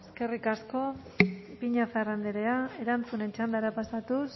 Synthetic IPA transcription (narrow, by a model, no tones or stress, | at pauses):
eske̞rikasko̞ | piɲafarand̪eɾeae̞ɾant͡sune̞nt͡ʃand̪aɾapasat̪us